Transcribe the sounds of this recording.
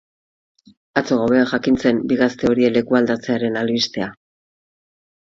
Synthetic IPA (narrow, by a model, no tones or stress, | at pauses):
at͡so̞ɣawe̞aʝakint͡se̞mbiɣast̪e̞o̞ɾie̞le̞kuald̪at͡se̞aɾe̞nalβist̪e̞a